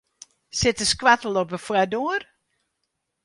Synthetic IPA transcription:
sɪtəskwatl̩ˠɔpəfwadoər

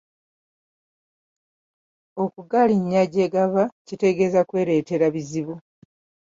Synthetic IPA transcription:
o̞kuɡaliɲːaɟeːɡaβacite̞ɡe̞zakwe̞ːɾe̞ːte̞ɾaβiziβu

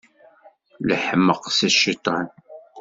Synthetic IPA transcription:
ləħəmːəqsæʃit̪ˤːɑn

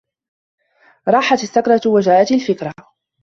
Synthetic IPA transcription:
ɾˤɑːħat̪aθːakɾˤɑt̪wad͡ʒaːʔat̪alfɪkɾˤa

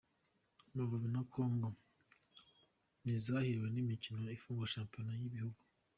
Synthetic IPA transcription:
muvaβinakʰo̞ːŋɡo | nizahiɾiwe̞nimicino̞ifuːŋɡoʃaːmponajiβihuɡu

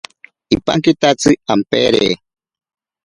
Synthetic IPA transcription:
ipa̰ŋkit̪at͡sɨampḛɾḛ

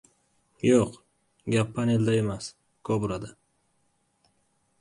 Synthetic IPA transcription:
joq | ɡʲapːaneld̪aemas | kʰobuɾad̪a

